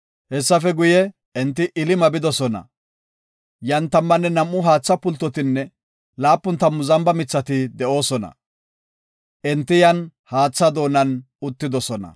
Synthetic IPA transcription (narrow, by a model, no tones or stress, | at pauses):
hɛsːɐfɛɡʊjɛ | ɛnt̪ːɪʔɪlɪmɐbɪd̪ɔsɔnɐ̰ | jɐnt̪ɐmːɐnːɛnɐmːʊɦaːt͡sːɐpʊlt̪ːɔt̪ɪnːɛ | laːpːʊnt̪ɐmːʊzɐmbɐmɪt͡sːɐt̪ɪd̪ɛo̞ːsɔnɐ̰ | ʔɛnt̪ːɪjɐnhaːt͡sːɐd̪o̞ːnɐn | ʊt̪ːɪd̪ɔsɔnɐ̰